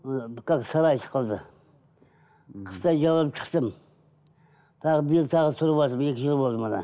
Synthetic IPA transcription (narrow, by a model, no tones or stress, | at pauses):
bɪkːaksɑɾɑjt̪ʰɪ̥qʰəlˠd̪ɪ | qʰə̥st̪ɑjd͡ʒɑwɑɾp̚t͡ʃʰə̥qt̪əm | t̪ʰɑʁəbɪjɪlt̪ʰɑʁsʰʊɾəpɑɪmekʲɪʒɪlˠbolˠd̪mɑd̪a̰n